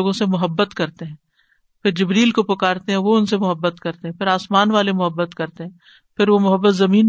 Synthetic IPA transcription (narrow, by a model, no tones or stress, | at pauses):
oːɡõsemʊɦəbːət̪kɐɾt̪eɦɛ̃ː | pʰɪɾd͡ʒɪbɾiːlkopɐkaːɾt̪eɦɛ̃ʋoʊnsemʊɦəbːət̪kɐɾt̪eɦɛ̃pɪɾaːsmaːnʋaːlemʊɦəbːət̪kɐɾt̪eɦɛ̃ː | pʰɪɾʋomʊɦəbːət̪zɐmiːn